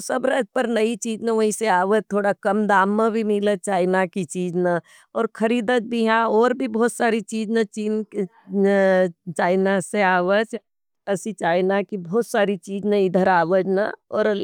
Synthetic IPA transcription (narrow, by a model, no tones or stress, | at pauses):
sɐbɾaːd͡ʒpɐɾnɐit͡ʃiːd͡ʒnaʋɐɦĩseaːʋət̚t̪ʰːoːɽakɐmd̪aːmːãbʱimɪlət͡ʃaːɪnakit͡ʃiːd͡ʒna | ɔːɾkʰəɾiːd̪ət̪̚bʱiɦãɔːɾbʱibɔːt̪saːɾit͡ʃiːd͡ʒnat͡ʃiːnk | t͡ʃaːɪnaseaːʋət͡ʃ | ɐsit͡ʃaːɪnakibɔːt̪saːɾit͡ʃiːd͡ʒnaɪd̪ʱəɾaːʋəd͡ʒna̰ɔːɾ